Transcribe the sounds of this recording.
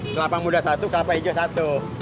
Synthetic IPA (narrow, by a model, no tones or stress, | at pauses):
kəlapamudasat̪ukəlapaid͡ʒasat̪u